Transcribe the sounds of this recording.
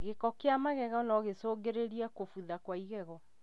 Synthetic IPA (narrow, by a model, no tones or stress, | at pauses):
ɣekɔkeamaɣɛɣɔnɔɣesoːɡeɾeɾiakofuðakwaiɣɛɣɔ